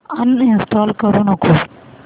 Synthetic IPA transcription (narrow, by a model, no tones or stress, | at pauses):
ɐnɪnsʈɔːlkɐɾũnɐkʰoː